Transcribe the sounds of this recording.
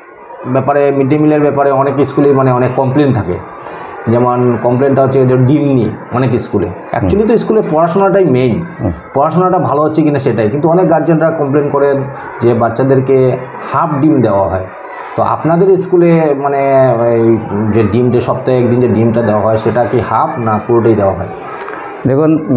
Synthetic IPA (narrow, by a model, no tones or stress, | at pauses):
bɛpaɾemiɖimileɾbɛpaɾeɔnekiskulemaneɔnekːɔmplent̪ʰakḛ | d͡ʑɛmonkɔmplenʈaɦotːʰed͡ʑoɖimniɔnek̬iskulḛ | ɛ̰kt͡ɕualit̪̬oiskulepɔɾaʃonaʈajmenpɔɾaʃonaʈabʱaloɦotːɕʰekinaʃeʈajkint̪uɔnekɡaɾd͡ʑenʈɾakɔmplenkɔɾen | d͡ʑebatːɕad̪eɾke | hapʰɖimd̪eoaɦɔe | t̪oa̰pnad̪eɾiskulemaneejd͡ʑeɖimd͡ʑeʃɔp̚t̪aeɛk̚d̪ind͡ʑeɖimʈad̪eoaɦɔeʃeʈakihapʰnapuɾoʈajd̪eoaɦɔe | d̪ekʰun